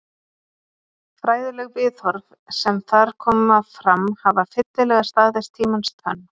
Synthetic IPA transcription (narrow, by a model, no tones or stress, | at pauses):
fɾaːjðɪlɛɣvɪːθhɔɾv | sɛmθaɾ̥kʰɔːmafɾamhavafɪt̪lɪlɛɣast̪aːðɛst̪ʰiːmanst̪ʰœ̰nː